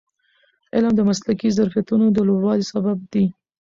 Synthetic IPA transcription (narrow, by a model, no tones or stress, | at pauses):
ɪlmd̪əmaslakizaɾfijat̪unod̪əlobwɑlisabab̚d̪i